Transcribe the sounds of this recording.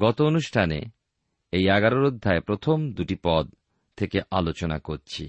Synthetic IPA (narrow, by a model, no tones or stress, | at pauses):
ɡɔt̪oonuʃʈʰanḛ | ejɛɡaɾoɾod̪ʱːaepɾot̪ʰomd̪uʈipɔd̪̚ | t̪ʰːekeʔalot͡ɕona̰koɾt͡ɕʰi